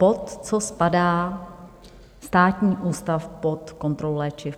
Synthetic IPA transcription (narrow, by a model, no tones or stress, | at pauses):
pot̪t͡sospadaː | st̪aːt̪ɲiːʔuːst̪afpot̪ko̞nt̪ɾollɛːt͡ʃɪ